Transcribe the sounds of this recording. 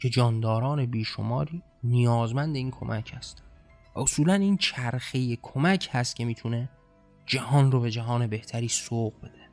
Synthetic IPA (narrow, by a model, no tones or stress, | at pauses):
cʰe̞d͡ʒɒːnd̪ɒːɾɒːne̞biːʃo̰mɒːɾiː | nijɒːzmænd̪e̞iːnkʰo̞̰mʔæcʰhæ̰st̪ | æosuːlæniːnt͡ʃʰæɾxejekʰomæcʰhæst̪̚cʰe̞miːt̪ʰune | d͡ʒæhɒːnrobe̞d͡ʒæɦɒːne̞be̞ht̪ʰæɾiːsoːɣbe̞d̪e